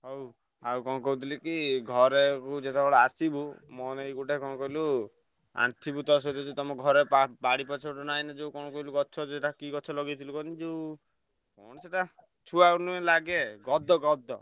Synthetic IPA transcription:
ɦow | awkɔñɔkɔut̪ʰilikiɡʱɔɾekud͡ʒet̪ʰebɔɭɔasibumɔnejɡuʈekɔñɔkɔilu | a̰ɳt̪ʰibut̪ɔs̬ɔt̪ʰid͡ʒet̪ɔmɔɡʱɔɾepabaɽipɔt͡ʃʰɔʈɔnajnad͡ʒewkɔnɔkɔiluɡɔt͡ʃʰɔd͡ʒeʈakiɡɔt͡ʃʰɔlɔɡit̪ʰilukɔnid͡ʒew | kɔñɔseʈa | t͡ʃʰuawnuelaɡeɡɔd̪ʱɔɡɔd̪ʱɔ

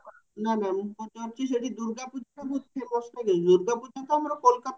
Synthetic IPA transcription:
nanambot̪eaɾt͡ɕʰiʃ̬eʈid̪uɾɡapud͡ʒʱaʈabud͡ʒʱt͡ʃʰebɔʃʈaked̪uɾɡapud͡ʑat̪eamɾokolkat̪

